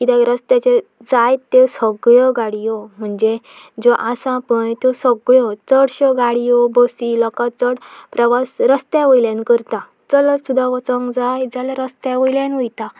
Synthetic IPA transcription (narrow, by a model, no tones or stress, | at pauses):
kit̪ɛ̃ɾəst̪at͡ɕe | d͡zajt̪ːesəɡɭɔɡaɽijɔm̤əɳd͡ze | d͡zɔʔasãpəɳt̪esəɡɭɔt͡səɽɕəɡaɽijɔbəsilɔkat͡səɽpɾəʋasɾəst̪aʋəjljankəɾt̪a | t͡səlɔsud̪ʱaʋət͡sɔ̃ŋɡd͡zajd͡zalaɾəst̪aʋəjlãnʋəjt̪a